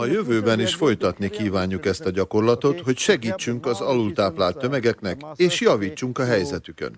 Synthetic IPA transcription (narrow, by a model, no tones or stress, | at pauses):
ɒjø̞vøːbɛniʃfo̞jt̪ɒt̪nikiːvaːɲːukɛst̪ɒɟɒko̞rlɒt̪o̞t̪ho̞cʃɛɡiːt͡ʃːyŋkɒzɒlult̪aːplaːlt̪ːø̞mɛɡɛkn̪ɛkeːʃjɒviːt͡ʃːuŋkɒɦɛjzɛt̪ykø̰n